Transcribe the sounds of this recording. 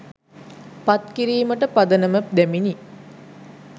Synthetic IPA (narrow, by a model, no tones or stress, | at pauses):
pat̪kiɾiːməʈəpad̪ənəməd̪æmini